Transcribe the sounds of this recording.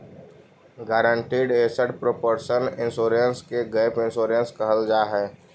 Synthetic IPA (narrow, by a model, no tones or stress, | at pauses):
ɡaːɾəɳʈiːɖeːsəʈpɾopoɾʃənɪ̃nsoːɾə̃nskeɡəɪpɪ̃nsoːɾə̃nskəɦəld͡ʒaːɦɛː